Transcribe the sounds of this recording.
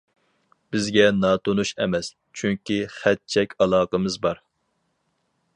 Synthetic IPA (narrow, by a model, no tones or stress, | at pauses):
b̥ɪzɡʲɛnɑːt̪ʰonuʃɛmɛs | t͡ʃʰyŋkʲiχɛt̪̚t͡ʃʰɛkʲʰɑlˠɑːqəmɨzbɑɾ